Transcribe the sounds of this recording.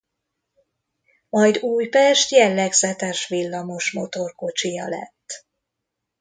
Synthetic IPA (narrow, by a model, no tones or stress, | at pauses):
mɒjd̪uːjpɛʃt̪jɛlːɛɡzɛt̪ɛʃʋilːɒmo̞ʃmo̞t̪o̞rko̞t͡ʃijɒlɛ̰t̪ː